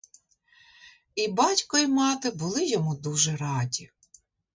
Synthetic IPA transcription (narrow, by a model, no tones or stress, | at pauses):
ibɑtʲkɔimɑt̪ɪbʊlˠɪjɔmud̪uʒɛɾɑdʲi